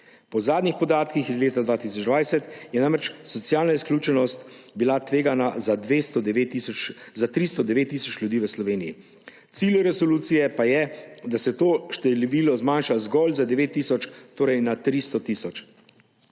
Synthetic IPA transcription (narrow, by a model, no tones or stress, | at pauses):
pɔzaːd̪nʲixpɔd̪aːt̪kixizleːt̪ad̪ʋaːt̪isɔd͡ʒd̪ʋajsɛt̪jɛnãmɾɛt͡ʃsɔt̪sjaːlnaisklʲuːt͡ʃɛnɔst̪bilat̪ʋeːɡanazad̪ʋest̪ɔd̪izat̪ɾist̪ɔd̪ɛʋeːt̪ːisɔt͡ʃlʲjud̪iːʋəslɔʋeːniji | t̪silʲjuɾɛsɔluːt̪sijɛpajɛd̪asɛt̪oːʃt̪ɛliʋiːlɔzmanʃazɡɔlzad̪ɛʋet̪ːiːsɔt͡ʃt̪oːɾɛjnat̪ɾist̪ɔt̪iːsɔt͡ʃ